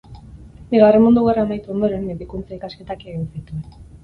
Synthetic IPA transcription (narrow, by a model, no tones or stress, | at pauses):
biɣawre̞mund̪uɣeraemajt̪uo̞nd̪oɾe̞nbikunt͡saikaske̞t̪akeɣsit̪ue